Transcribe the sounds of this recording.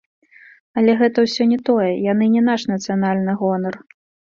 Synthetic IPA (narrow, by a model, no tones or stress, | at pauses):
ɐlʲɛɣɛt̪ɐwsʲɔnʲɛt̪ɔjɛjanɨnʲɛnaʂnɐt̪sɨjanalʲnɨɣɔnɐr